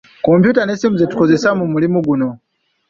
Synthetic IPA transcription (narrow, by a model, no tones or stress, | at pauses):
kɔmpʰjutanɛsimuzɛtu̥kɔzɛsamumulimuɡunɔ